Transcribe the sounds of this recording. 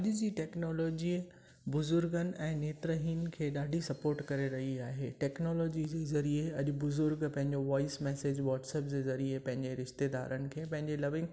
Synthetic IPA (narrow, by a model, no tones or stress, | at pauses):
ɐʄʊd͡ʑiːʈɛːknɔːlɔːd͡ʑiː | bʊzʊɾɡənɪ̆ʔɛ̃ːneːt̪ɾəɦiːnkʰeːɗaːɖʱisɐpoːɾʈkɐɾeɾɐɦiaːɦeːʈɛːknɔːloːd͡ʑid͡ʑeːzɐɾieɐʄʊbʊzʊɾɡpɐ̃ɦɪ̃ɲd͡ʑoʋɔːɪsmɛːseːd͡ʑʋɔːʈsɛːpd͡ʑeːzɐɾiepɐ̃ɦɪ̃ɲd͡ʑeɾɪʃt̪ed̪a̰ːɾənɪ̆kʰeːpɐ̃ɦɪ̃ɲd͡ʑelɐʋɪ̃ŋɡ